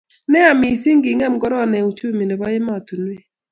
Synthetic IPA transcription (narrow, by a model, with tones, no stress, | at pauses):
nɛ˦a˨mɪ˨si˦ŋɡɪ˨ŋɛ˦mɡɔ˦ɾɔ˦˨nɛ˨u˨t͡ʃu˦˨mi˨ne˨bɔ˦jɪ˦ma˦ɔ˨tu˨nwe˦˨